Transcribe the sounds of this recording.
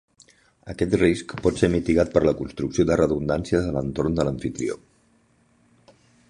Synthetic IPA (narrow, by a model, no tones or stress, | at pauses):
əkɛt̪riskpɔt̪semit̪iɣat̪̚pəɾləkunst̪ɾuksioðərəðund̪ansiəzələnt̪oɾnd̪ələɱfit̪ɾḭo̰